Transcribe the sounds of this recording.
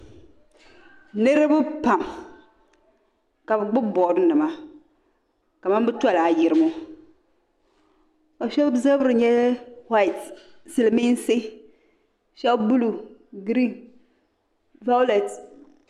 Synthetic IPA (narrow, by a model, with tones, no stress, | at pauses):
nɨ˦ɾɨ˦bɨ˦pa˨m | ka˨bɨ˨ɡ͡bʊ˦bɔ˨ɾɨ˦nɨ˨ma˦ | ka˨ma˦mbɨ˦twa˦˨la˨ji˨ɾɨ˦mo˦ | a˨ʃɛ˦bbza˦bɾɨ˨ɲɛ˦wa˦i˨t | si˨lmi˦n˦se˦ | ʃɛ˦bbu˦lu˨ɡɾi˦n | va˦le˨t